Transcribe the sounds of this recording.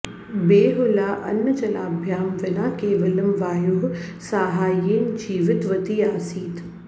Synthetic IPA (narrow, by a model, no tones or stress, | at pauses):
beːɦʊlaːʔɐ̰nːət͡ʃɐla̰ːbʱjaːmʋɪnaːkeːʋɐlɐmʋaːjʊɦsaːɦaːjiːnd͡ʒiːʋɪt̪ʋɐt̪iːaːsiːt̪